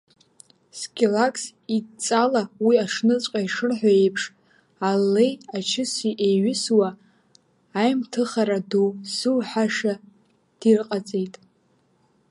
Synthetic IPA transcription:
skʲʼelakʼsit͡sʼalawiaʂnɨt͡sʷʼqʼaiʂɨrħʷᶣae̞jpʰʂ | alːejat͡ʃʰɪsiʔejɥʏswaː | jmtʰɨχaɾadowzɨwħaʂa | d̥irqʼat͡sʼejtʼ

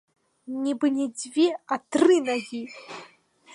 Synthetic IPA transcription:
nʲibɨnʲɛd͡zʲvʲiat̪rɨnaɣʲi

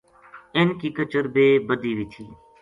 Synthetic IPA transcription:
ɪnkiːkət͡ʃəɾbeːbəd̪iːʋiːt̪ʰiː

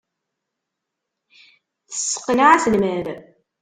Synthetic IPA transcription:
θə̥sːə̥qːənʕasəlməɾ

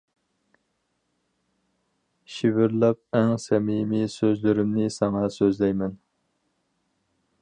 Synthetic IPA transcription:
ʃivɪɾlˠɑp̚æŋsɛmimisøzlyɾɪmnɪsɑŋɑsøzlɛjmɛn

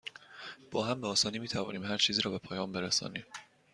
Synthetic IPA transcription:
b̥ɒːɦæmbeɒːsɒːniːmiːt̪ʰævɒ̰ːniːmhæɾt͡ʃʰiːziːɾɒːbe̞pʰɒːjɒːmbe̞ɾesɒ̰ːnḭːm

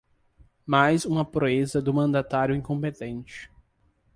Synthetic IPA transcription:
majzũmɐpɾoezɐd̪ʊmɐ̃nd̪at̪aɾjʊĩŋkõmpet̪ẽnt͡ʃɪ̥

